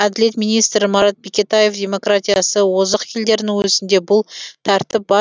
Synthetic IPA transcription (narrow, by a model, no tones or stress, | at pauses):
æd̪ɪle̞t̪mijnijst̪ɾɪmɑɾɑt̪̚bekʲet̪aje̞fd̪ʲe̞mo̞krat̪ʲijasəwo̞zəqkʲʰe̞ld̪e̞ɾɪnɪŋwɵzɪnd̪e̞bʊlˠt̪ʰɑɾt̪ɪp̚bɑ